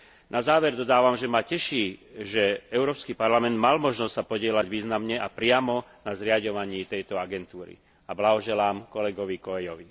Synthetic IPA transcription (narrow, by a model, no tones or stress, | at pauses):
nʔazaːʋɛɾd̪ɔd̪aːʋamʒɛmacɛʃiːʒɛɛʊɾɔːpskipaɾlamɛnd̪malmɔʒnɔstsapɔɟɪɛlaɟʋiːznamɲɛʔapɾɪamɔnazɾɪaɟɔʋaɲiːt̪ɛjt̪ɔaɡɛnt̪uːɾḭ | ablaɦɔʒɛlaːmkɔlɛɡɔʋikɔɛjɔʋi